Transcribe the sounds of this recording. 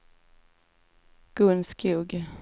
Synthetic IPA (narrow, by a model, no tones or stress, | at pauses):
ɡ̥ɵnskʰjuːɡ